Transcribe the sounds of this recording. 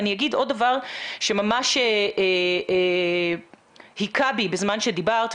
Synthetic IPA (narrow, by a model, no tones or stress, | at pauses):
nijaɡidʔo̞d̚davaʁʃe̞mamaʃe | hikʰabibezmanʃed̪ibaʁt̪